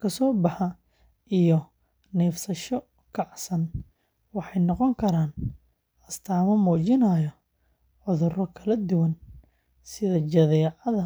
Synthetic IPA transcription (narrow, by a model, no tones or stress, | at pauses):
kʰɐsɔːbɑħɑ | ijɔ | nɛːfsɐʃɔ | kʰɑʕsɐn | wɑħɑjnɔqɔŋkʰɐɾaːn | ʔɐst̪ʰaːmɐmuːt͡ʃɪnajɔ | ʕʊðʊrɔkʰɐlɐd̪ʊwɐn | sɪðɐt͡ʃɐðɛːʕɑðɐ